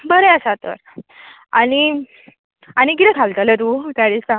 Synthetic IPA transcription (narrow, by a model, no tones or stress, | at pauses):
bəɾeəsat̪ə̰ɾ | añi | añikiɾekʰalt̪əlet̪ut̪aɽisa